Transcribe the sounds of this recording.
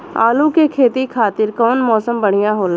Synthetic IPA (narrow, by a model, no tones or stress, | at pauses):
a̰ːlũkekʰeːt̪ikʰaːt̪ɪɾkɔːnmɔːsəmbəɽ̤ɪjãɦoːl